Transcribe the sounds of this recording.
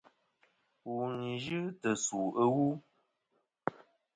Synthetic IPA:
wu˨ni˨ʒɨ˦tə˨su˨ə˦wu˦

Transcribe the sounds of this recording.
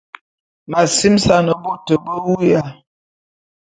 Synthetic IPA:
ma˨si˦msa˦˨nə˨bo˦tə˨bə˦wu˦ja˨

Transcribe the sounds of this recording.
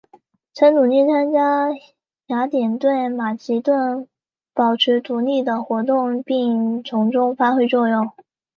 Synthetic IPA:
t͡sʰə˧˥nnu˨˩li˥˩t͡sʰa˥nt͡ɕja˥ | ɕja˧˥t̪jɛ˨˩nt̪we˥˩ɪma˨˩t͡ɕi˧˥t̪wə˥˩n | pɑ˨˩ʊʈ͡ʂ̩ʰ˧˥t̪u˧˥li˥˩d̪ə˩xwɔ˧˥t̪̬ʊ˥˧ŋpi˥˩ŋʈ͡ʂʰʊ˧˥ŋʈ͡ʂʊ˥ŋfa˥xwe˥ɪt͡swɔ˥˧jʊ˥˩ŋ

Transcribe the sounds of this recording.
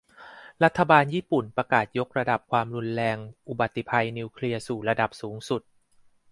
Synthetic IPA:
ɾa˦˥t̪ʰːa˧baː˧njiː˥˩pu˨˩npɾa˧kaː˨˩t̪̚jo˦˥k̚ɾa˧da˨˩p̚kʰwaː˧mɾu˧nɾɛː˧ŋʔu˨˩ba˨˩t̪ʰːi˨˩pʰa˧jniː˧wkʰli˧ɐsuː˨˩ɾa˧da˨˩p̚suː˩˦ŋsu˨˩t̪̚

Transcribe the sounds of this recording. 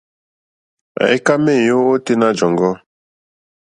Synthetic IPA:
a̰˨i˦ka˦me˦˨jo˦o˦te˦na˦d͡ʒɔ˨ŋɡɔ˦

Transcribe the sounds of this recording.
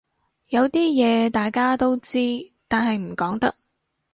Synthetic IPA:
jɐ˨˧wt̪iː˥jɛː˨˧t̪aː˨jkaː˥t̪o˥wt͡siː˥t̪aː˨˩nɦɐ˨jm̩˨˩kɔː˨˥ŋt̪ɐ˥k̚

